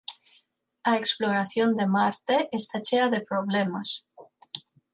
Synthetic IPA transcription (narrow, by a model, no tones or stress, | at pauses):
aeksploɾaθjond̪emaɾt̪eʔest̪at͡ʃeaðepɾoβlemas